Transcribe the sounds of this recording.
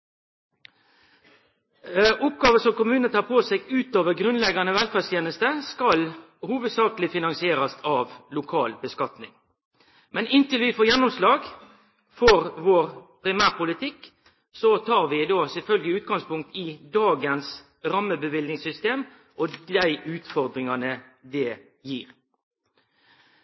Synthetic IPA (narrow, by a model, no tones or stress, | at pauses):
ʔʊpɡɑːʋəsɔmkʊmʉːnənət̪ʰɑːʁpʰoːsɛɡʉːt̪oːʋəɾɡɾʉnlɛɡɑnəʋɛlfæʁst̪ʰjeːnəst̪əskɑl | huːʋəd̪sɑːkəlɪfɪnɑŋsɪeːɾɑsɑʋlʊkʰɑ̰ːlbəskɑt̪nɪŋ | mɛnɪnt̪ɪlʋɪfoːjɛnːʊmslɑːɡ | fɔʁʋoːʁpʰɾɪmæːʁpʊlɪt̪ʰɪkː | sɔt̪ʰɑːʁʋɪd̪ɑːsɛlfœlɡɪʉːt̪̚ɡɑŋspʊŋk̚t̪ʰɪd̪ɑːɡəns | ɾɑmːəbəʋɪlnɪŋsʏst̪eːm | ʔɔd̪æɪʉːt̪fɔʁd̪ɾɪŋɑnəd̪ɛ | jiːɾ